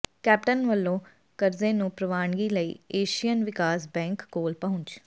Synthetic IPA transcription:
kɛːp̚ʈənʋəlːõː | kəɾzẽːnũːpɾəʋaːɳɡiːləḭːeːʃijənʋɪkaːsbɛ̃ːŋkːoːlpəʊ̃ɲt͡ʃ

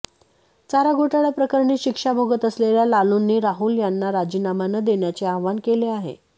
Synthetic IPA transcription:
t͡saɾaɡʱoʈaɭjapɾəkəɾɳiːɕikʂabʱoɡət̪əsleljalalunːiːɾaɦuːljanːaɾad͡ʑinamanəd̪eɳjat͡seaʋankeleaɦḛ

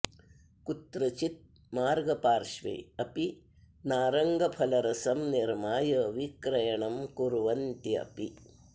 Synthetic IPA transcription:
kut̪ɾɐt͡ʃit̪̚ | maːɾɡɐpaːɾʃʋɐ̰jɐpi | naːɾɐŋɡɐpʰɐlɐɾɐsɐmniɾmaːjɐʋikɾɐjɐɳɐmkuɾʋɐnt̪iɐ̰pi

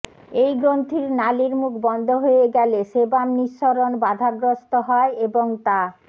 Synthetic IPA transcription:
ejɡɾont̪ʰiɾnaliɾmukʰbɔnd̪ʱoɦojeɡɛleʃebamniʃːoɾonbad̪ʱaɡɾost̪oɦɔeeboŋt̪a

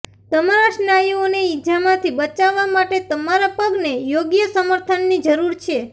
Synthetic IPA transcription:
t̪əmaɾaʃnajioneid͡ʒamãt̪ʰibət͡ʃaʋːamaʈet̪əmaɾapəɡnejoɡjəsəməɾt̪ʰənːid͡ʒəɾuɾt͡ʃʰe

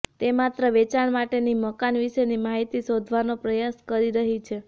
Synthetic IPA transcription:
t̪emat̪ɾəʋet͡ʃaɳmaʈeniməkanʋiʃenimaɦit̪isod̪ʱʋanopɾəjaskəɾiɾəɦit͡ʃʰe

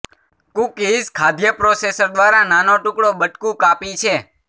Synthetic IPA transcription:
kukid͡ʒkʰad̪jəpɾosesəɾd̪ʋaɾananoʈʊkɽobəʈkũkapit͡ʃʰe

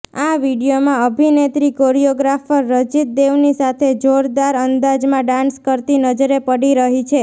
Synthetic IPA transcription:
aʋiɽijomãəbʱinet̪ɾikoɾijoɡɾafəɾːəd͡ʒit̪̚d̪eʋnisat̪ʰed͡ʒoɾd̪aɾənd̪ad͡ʒmãɖãnskəɾt̪inəd͡ʒəɾepəɽiɾəɦit͡ʃʰe

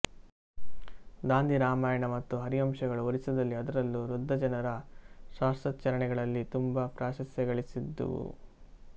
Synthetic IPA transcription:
d̪aːnd̪iɾaːmaːjɐɳɐmɐt̪ːuɦɐɾiɐmʃɐɡɐɭuoɾisɐd̪ɐlːiɐd̪ɐɾɐlːuɾud̪ʱːɐd͡ʒɐnɐɾɐʃaːstɾɐt̪t͡ʃːɐɾɐɳɛɡɐɭɐlːit̪umbɐpɾaːʃɐsjɐɡɐɭisid̪ːṵ

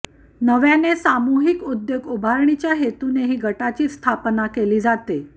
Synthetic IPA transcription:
nəʋjanesamuɦikud̪joɡubʱaɾɳ̃it͡ɕjaɦet̪uneɦiːɡʱəʈat͡ɕiːst̪ʰapnakeliːd͡zat̪e

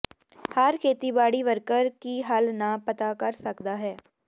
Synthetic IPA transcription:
hɐɾkʰeːt̪ibaːɽiʋɐɾkəɾkiɦɐlnapɐt̪akɐɾsɐkd̪aɦɛː

